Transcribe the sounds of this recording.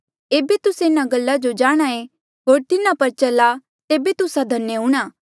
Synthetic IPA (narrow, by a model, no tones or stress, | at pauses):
eːbet̪ʊseɪnaɡɐlːad͡ʒod͡ʒaːɽ̃ae | ɦoːɾt̪ɪnapɐɾt͡ʃɐla | t̪eːbet̪ʊsad̪ʱɐnːjəɦũːɽ̃aː